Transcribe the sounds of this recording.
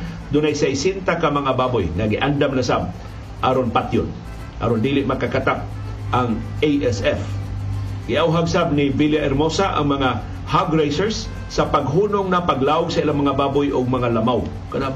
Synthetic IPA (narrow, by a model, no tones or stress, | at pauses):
d̪ʊnajsajsɪnt̪akamɐŋabaːbʊjnaɡɪʔand̪amlasab̚ | ʔaɾonpat̪jʊn | ʔa̰ɾond̪ilɪʔ̚mɐkakat̪ap̚ | ʔaŋejʔɛsɛf | ɡɪʔawɦaɡsab̚nɪviljaʔɛɾmosaʔa̰ŋmɐŋa | haɡɾejsɛɹsː | ɐpaɡɦuːnoŋnɐpaɡlaːʔʊɡsɐilaŋmɐŋabaːbʊjʔʊɡ̚mɐŋalɐmaw | kanab